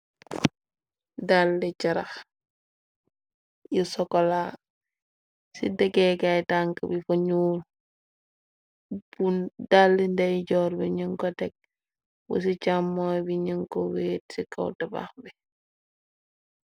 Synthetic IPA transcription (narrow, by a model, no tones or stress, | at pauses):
dalːicɐɾɐx | jusɔkɔla | sḭdɛɡɛkajtaŋkəbifoɲuːl | bundalːindɛjɟɔːɾbiɲiŋkɔtɛk̚ | wɔ̰sicamːɔjbiɲiŋkɔweːt̚sikɐ̰wtɐba̰xbi